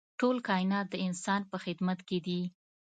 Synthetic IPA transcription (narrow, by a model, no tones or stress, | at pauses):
ʈolkɑɪnɑt̪̚d̪əɪnsɑnpəxɪd̪mat̪ked̪i